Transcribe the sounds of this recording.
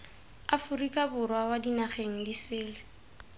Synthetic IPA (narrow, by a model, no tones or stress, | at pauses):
afʊrikʼabʊrwawadinaχeŋ̩disɪːlɪ